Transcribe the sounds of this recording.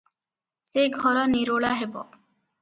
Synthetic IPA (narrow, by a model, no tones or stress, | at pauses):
seɡʱɔɾɔniɾoɭaɦebɔ̰